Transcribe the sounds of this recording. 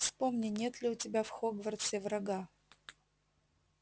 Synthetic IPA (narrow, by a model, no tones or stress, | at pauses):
fspomnʲɪnʲe̞t̪lʲɪʊtʲɪbʲafxoɡvɐrt̪sʲevɾɐɡa